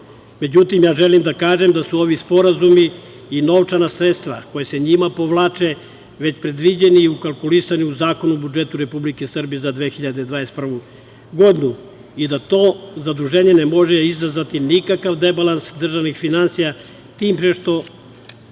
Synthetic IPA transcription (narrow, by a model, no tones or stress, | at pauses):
me̞d͡ʑut̪imjaːʒelimd̪akaːʒemd̪asuo̞ʋispo̞ɾazumiː | no̞ʋt͡ʃanasɾet̪st̪ʋa̰ko̞jese̞ɲimapoʋlˠaːt͡ʃe | ʋe̞t͡ɕpɾe̞d̪ʋid͡ʑe̞niːukalˠkulisaniuzaːko̞nubud͡ʒe̞t̪uɾe̞publikesr̩bijezad̪ʋexiʎad̪ed̪ʋanest̪pr̩ʋu | ɡo̞d̪inu | id̪at̪o̞zad̪ɾuʒeːɲe̞nemo̞ʒeizazʋat̪inikakaʋd̪ebalˠansd̪r̩ʒaʋnixfinansija | t̪iːmpɾeʃt̪o̞